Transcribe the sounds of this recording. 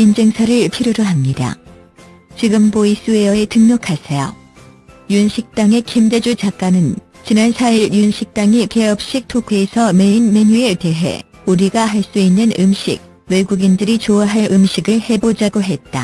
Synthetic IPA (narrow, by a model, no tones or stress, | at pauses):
ind͡ʑe̞ŋsʰaɾɯɭpʰiɾjoɾoɦamɲida̰ | t͡ɕiɡɯmbois͈ueʌetɯŋɲokʰasʰejo̰ | junɕʰik̚t͈aŋe̞kʰimded͡ʑut͡ɕak͈anɯn | t͡ɕinansʰaiɾjunɕʰik̚t͈aŋike̞ʌp̚ɕ͈ik̚tʰokʰeesʰʌme̞inme̞ɲue̞te̞ɦe̞̰ | uɾiɡaɦaɭs͈uinːɯnɯmɕʰḭk̚ | we̞ɡuɡindɯɾit͡ɕoaɦaɭʔɯmɕʰiɡɯɭhe̞bod͡ʑaɡoɦe̞t̚t͈a̰